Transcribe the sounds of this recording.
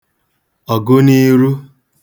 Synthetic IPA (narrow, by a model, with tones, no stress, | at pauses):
ɔ˨ɡo˦ni˦ɾu˦